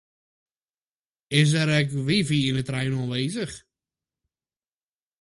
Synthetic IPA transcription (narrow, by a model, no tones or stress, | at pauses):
ɪs̬ɛɾɛkʋiviɪnətrajnɔlˠʋejzəχ